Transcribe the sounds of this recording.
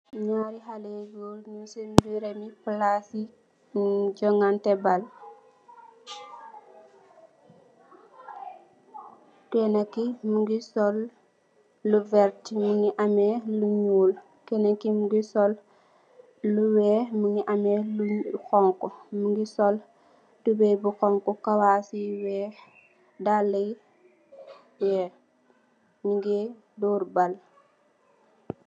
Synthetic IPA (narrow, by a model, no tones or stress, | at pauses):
ɲaːɾihaleɡulɲusembiɾemiplasi | d͡ʒɔŋantɛbal | kɛnakːimuŋɡisɔlː | uvɛɾtimuŋɡiʔamɛluɲuːl | kɛːnɐkːimuɡisɔl | uwɛmiŋɡiʔɐmɛluxɔŋkɔmuŋɡisɔl | tubɛbuxɔŋkɔkawasiwɛ | dalːɛj | wɛ | miŋɡi | dɔːɾbɐl